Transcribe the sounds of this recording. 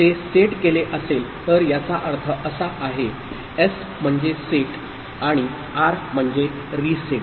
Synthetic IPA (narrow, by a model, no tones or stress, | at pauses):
t̪eseʈkeleʔəselt̪əɾjat͡saʔəɾt̪ʰəʔəsaʔaɦe | es | m̤əɳd͡zeseʈ | aɽ̃i | aɾm̤əɳd͡ze | ɾiseʈ